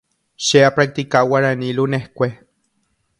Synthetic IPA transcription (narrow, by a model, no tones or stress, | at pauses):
ʃeapɾak̚t̪ikawaɾanilunehkʷe